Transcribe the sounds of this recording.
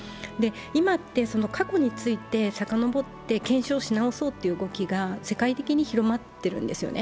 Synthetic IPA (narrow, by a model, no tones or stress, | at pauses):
d̪e̞ | imat̪ːe̞so̞no̞kʰako̞ɲ̟it͡sɨit̪e̞sakano̞bo̞t̪ːe̞kẽ̞ɰ̃ɕo̞ːɕinao̞so̞ːt̪ːe̞iɯːɡo̞kʲiɡase̞kait̪e̞kʲiɲ̟içiɾo̞mat̪ːe̞ɾɯ̟̰̃nd̪e̞sɨjo̞̰ne